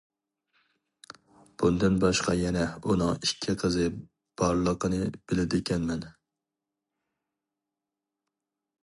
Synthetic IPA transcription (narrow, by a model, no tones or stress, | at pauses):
b̥und̪ɨnbɑʃqɑjɛnɛunɨŋikʲʰːiqʰəzɨ | b̥ɑɾlˠəqʰənɨb̥ɪlɪd̪ɪkʲʰɛnmɛn